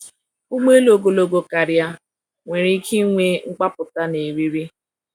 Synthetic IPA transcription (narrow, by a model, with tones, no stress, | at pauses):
u˦ɡ͡be˦lo˨ɡo˨lo˨ɡo˨ka˨ɾja˦ | ŋʷe˨ɾi˦kʰi˦ŋʷe˦ŋ͡m̩˦k͡pa˦pʊ˨ta˦ne˨ɾi˦ɾi˦